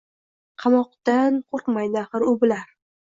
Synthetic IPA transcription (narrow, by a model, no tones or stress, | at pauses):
qʰɑmɒq̚t̪anqʰoɾq̪majd̪ɪaχɨɾʊbɪlaɾ